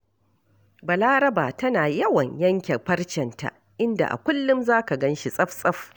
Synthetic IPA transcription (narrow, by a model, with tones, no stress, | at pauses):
bɐ˨laː˦ɾɐ˦baː˨tɐ˦naː˨jɐ˦wɐ˨ɲjɐ˦ŋkʲe˨ɸɐ˦rt͡ʃɛ˨nta̰˨ | ʔɪ˦nda̰˨ʔa̰˨kʷʊ˦lːʊ˦mzaː˦ka˨ɡɐ˦nʃi˦sʼɐ˦ɸsʼɐ˦ɸ